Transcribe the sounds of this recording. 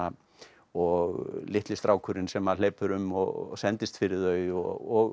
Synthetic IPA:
a | ɔɣlɪht̪lɪst̪ɾaːwkʰʏɾɪnsɛmaðl̥eːjpʏɾʏmɔɣɔ̰sɛnt̪ɪst̪fɪɾɪðœːɥɔ̰ɣɔɣ

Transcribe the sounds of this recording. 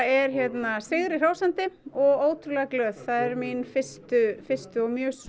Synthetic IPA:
ɛɾ̥çjɛt̪nasɪɣɾɪr̥aːwsant̪ɪɔɣoːwt̪ʰɾʏlɛɣaklœːðθaðɛɾminfɪst̪ʏfɪ̥st̪ʏɔɣmjœːs

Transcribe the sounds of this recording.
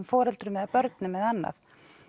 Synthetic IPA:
mfɔːɾɛlt̪ɾʏmɛðapœɾt̪nɪmːɛðanːa̰f

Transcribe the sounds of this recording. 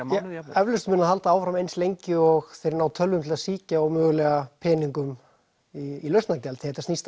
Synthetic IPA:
ɛɛvlʏst̪mɪnaðhalt̪aaːwfɾamejnslejɲcɪɔɣθejɾnaːwt̪ʰœlvʏmt̪ʰɪlasiːcaɔwmœːɣʏlɛɣapʰɛːniŋkʏm | iːlœɥst̪nacɛlθɪhɛt̪asnist̪

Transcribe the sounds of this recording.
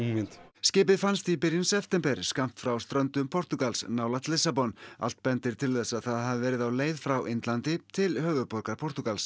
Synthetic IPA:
mɪnt̪scɪːp̬ɪðfanst̪ipɪɾjɪnsɛft̪ɛmpɛɾ̥skam̥t̪fɾawst̪ɾœnt̪ʏmpʰɔɾ̥t̪ʏkalsnaːwlat̪lɪsapɔna̰l̥t̪pɛnt̪ɪɾ̥t̪ʰɪlθɛsaðθaðɦavɪvɛːɾɪðawleːjðfɾawʔɪnt̪lant̪ɪt̪ʰɪlhœːvʏpɔɾkaɾ̥pʰɔɾ̥t̪ʏkals

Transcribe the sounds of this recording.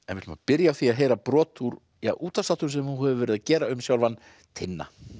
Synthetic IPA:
ɛnvɪt̪ʏmapɪɾjaːθiaɦeːjɾapɾɔːt̪ʰuɾ | jaʔuːt̪asat̪ʏɾsɛmhunhɛvʏvɛːɾɪðacɛːɾaʏmsjawlvanː | t̪ʰɪnːa̰

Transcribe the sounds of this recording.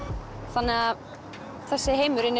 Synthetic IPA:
θanːɪa | θɛsːɪɦeːjmʏɾɪnː

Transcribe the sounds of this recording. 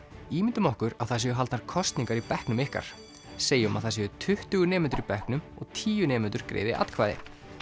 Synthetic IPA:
iːmɪnt̪ʏmɔhkʏɾaðθas̬jɛʏɦalt̪naɾ̥kʰɔst̪nĩŋkaɾipɛhknʏmɪhka̰ɾ̥ | seːjɪɔma̰ðθasɛʏt̪ʰʏht̪ʏɣʏnɛːmɛnt̪ʏɾipɛhknʏmɔ̰ɣt̪ʰiːjʏnɛːmɛt̪ʏɾ̥kɾḛːjðɪʔa̰t̪kʰvaːjðɪ̰

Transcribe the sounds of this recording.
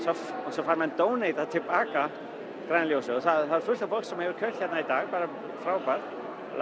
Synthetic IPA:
sɔɔsɔfaːɾmaɛnt̪oːwnejt̪at̪ʰɪlpaːka | kɾajnaljowsɛɔθaðθaðɛɾ̥fʏl̥t̪afɔlksɛmhɛvʏɾ̥kʰœt̪çɛt̪nait̪aːɣpaːɾa | fɾawpaɾ̰ | l

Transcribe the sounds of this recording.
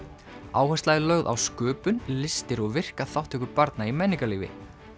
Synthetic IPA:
aːwhɛst̪lajðɪlœɣða̰wskʏːpʏnlɪst̪ɪɾɔɣvɪr̥kaθawht̪ɪkʏɾpaɾt̪naimɛnːiŋkaliːvɪ̰

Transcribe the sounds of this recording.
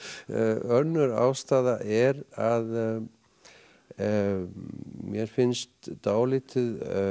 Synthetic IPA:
œnːʏɾa̰ːwst̪aːðaʔɛɾað | mjɛɾ̥fɪnst̪t̪aːwlɪːt̪ʰʏð

